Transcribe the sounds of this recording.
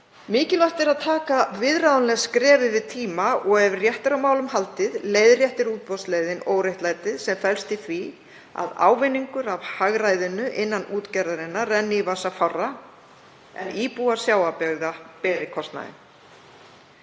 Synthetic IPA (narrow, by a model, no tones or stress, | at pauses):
mɪːcɪlɔht̪ɛɾaðt̪ʰaːkavɪðɾaðanlɛɣskɾɛːvɪvɪðt̪ʰiːmaʔɔɣɛvɪrjɛht̪ɪɾawmaːwlʏmɦalt̪ɪðleːjðrjɛht̪ɪɾuːt̪̚pɔst̪leːjðɪnoːwɾejht̪laːjt̪ɪðsɛmfɛlst̪ɪθvi | a̰ða̰ːwvɪnːiŋkʏɾavhaɣɾajðɪnʏʔɪnːanuːt̪caɾðaɾɪnːarɛnːɪvasafarːa | ɛ̰niːpuḁsjaːwapɛɣðapɛːɾɪkʰɔst̪na̰ðɪ̰n